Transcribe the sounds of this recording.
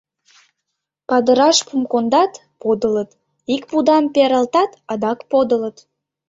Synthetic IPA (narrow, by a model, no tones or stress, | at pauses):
pɑd̪əɾɑʃpumkond̪ɑt̪ | pod̪ələt̪ | ik̚pud̪ɑmpeɾɑlt̪ɑt̪ɑd̪ɑkpod̪ə̆lət̪